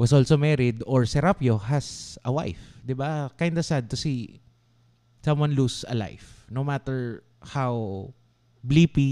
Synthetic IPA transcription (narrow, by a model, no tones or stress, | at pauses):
wɐsʔolsomɛɾɪd̪ɔɹsɛɾapjohɐsɐwa̰jfd̪ɪbakajnd̪ɐsad̪̚t̪ʊsi | sɐ̃mwãnlusɐ̰la̰jfnomat̪ɛɹ | haw | blipi